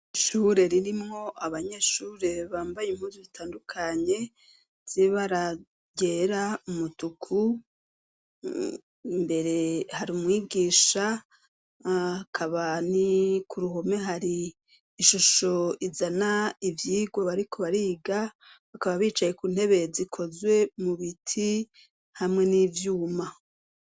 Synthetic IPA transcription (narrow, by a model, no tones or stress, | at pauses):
ʃuɾe̞ɾiɾimŋo̞aβaɲe̞ʃuːɾe̞βaːmbajemhuːzuzitʰaːndukʰaɲe̞ | z̥iβaɾa | ɟeːɾaumutukʰu | mbe̞ɾe̞haɾiumŋiːɡiːʃa | kʰaβanikʰuɾuɦome̞ɦaɾiː | ʃuʃo̞izanaivjiːɡwoβaɾikʰo̞βaɾiːɡa | βakaβaβiːt͡ʃaje̞kuːn̥he̞βe̞zikʰo̞zwe̞muβitʰi | hamŋe̞niːvjuːma